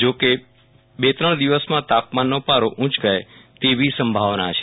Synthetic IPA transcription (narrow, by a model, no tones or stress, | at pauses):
d͡ʒoke | bet̪ɾəɳ̃d̪iʋəsmãt̪apmanːopaɾoʔũt͡ʃɡajet̪eʋisəmbʱaʋnat͡ʃʰe̥